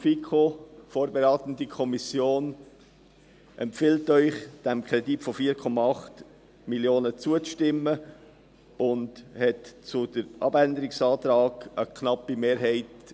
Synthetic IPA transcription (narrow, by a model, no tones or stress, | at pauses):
fikʰofoːɾbeɾɑːtən̩dikʰɔmisjoːn | ʔɛmpfɪltœʏχd̥æmkʰɾɛditfɔfiːɾkʰɔmɑɑχt | miljoːnət͡suəʃtɪmːə | ʊndhɛtt͡sʊd̥əɾʔɑ̰bændəɾɪksɑːt̪ɾɑːɡ̥əkʰnɑpimeːɾɦɛɪt